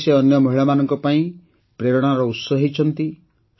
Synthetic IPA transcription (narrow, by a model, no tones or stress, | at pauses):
seɔnjɔmɔɦiɭamanɔŋkɔpaĩ | pɾeɾɔɽ̃aɾɔut̪sɔɦit͡ʃʰɔnt̪i